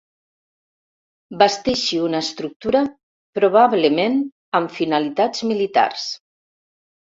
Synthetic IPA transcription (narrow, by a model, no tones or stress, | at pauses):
bast̪eʃiunaːst̪ɾuk̚t̪uɾa | pɾoβ̞aβlemen | amfinalit̪ad͡zmilit̪a̰rs